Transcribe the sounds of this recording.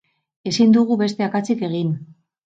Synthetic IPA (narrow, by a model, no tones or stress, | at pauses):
e̞sind̪uɣuβe̞st̪e̞akat͡sike̞ɣ̞in